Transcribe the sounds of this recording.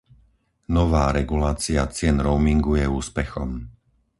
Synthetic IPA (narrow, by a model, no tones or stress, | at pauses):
nɔʋaːɾɛɡulaːt͡siat͡sɪɛnɾɔʊmiŋɡujɛuːspɛxɔ̰m